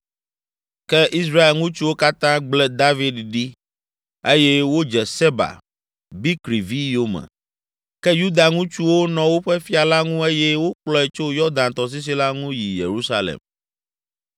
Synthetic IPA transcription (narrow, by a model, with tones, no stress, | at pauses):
kɛ˦ʔi˦s̬ɾa˦e˨lŋũ˦t͡ʃu˦wo˦ka˦t̪ã˦ɡ͡blɛ˦d̪a˦vi˦d̪ɖi˦ | e˦jɛ˦wo˦d͡ʒɛ˨se˦ba̰˨ | bi˦kɾi˨vi˦jo˦mɛ̰˨ | kɛ˦ju˦d̪a˨ŋũ˦t͡ʃu˦wo˦nɔ̃˨wo˦ɸɛ˦fi˦a˨la˦ŋũ˦e˦jɛ˦wo˦k͡plɔ˦ɛ˨t͡ʃo˦jɔ˦d̪ã˨nt̪ɔ˨s̬i˦s̬i˦la˦ŋũ˦ji˨jḛ˨ɾu˦sa˦lḛ˨m